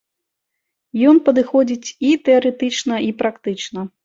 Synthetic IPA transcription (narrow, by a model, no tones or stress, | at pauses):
jɔnpɐd̪ɨxɔd͡zʲit͡sʲit̪ɛɐɾɛt̪ɨt͡ʂnɐipɾakt̪ɨt͡ʂnɐ